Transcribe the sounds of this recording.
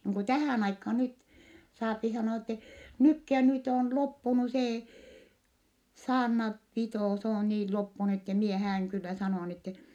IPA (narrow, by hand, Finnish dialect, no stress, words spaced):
niːŋ ku tæhæˑn ɑikhɑː nyt sɑːpi sɑnoɑ etːe nykːi jɑ nyt oˑn lopːunu seː sɑːrnɑ pitoˑ s oː niː lopːunu etːe mie hæːyŋ kylːæ sɑnoˑɑ n etːe